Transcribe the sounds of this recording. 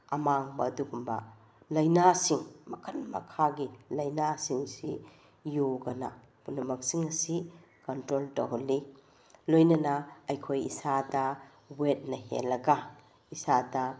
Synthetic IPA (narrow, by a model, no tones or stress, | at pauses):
ɐmaŋbɐːduɡumbɐ̰ | lɐjnasiŋmɐkʰɐnmɐ̰kʰaɡilɐjnasiŋsi | joɡɐnɐ̰ | punɐmɐk̚siŋɐsikɐntɾoltɐ̰ɦolːi | lojnɐnɐɐjkʰojḭsadɐ | wet̚nɐhḛlːɐɡɐ | isadɐ